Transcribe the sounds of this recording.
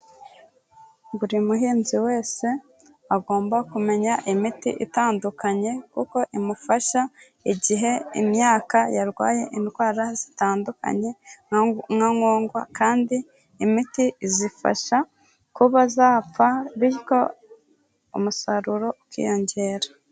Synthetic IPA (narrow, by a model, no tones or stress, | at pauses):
ɡuɾimuɦiːnziwe̞ːse̞ | aɡo̞ːmbakume̞ɲaʔimitḭʔitaːndukaɲe̞kuko̞ʔimufaʃa | iɟiɦe̞imɲaːkajaɾɡwa̰ːje̞̰ʔintwaːɾazitaːnduka̰ɲe̞ | ŋaŋo̞ːŋɡwa̰kʰaːndiː | mitizifa̰ʃa | kuβazaːp͡faβiiko̞ | omusaɾuɾo̞kḭjo̞ɲɟe̞ːɾa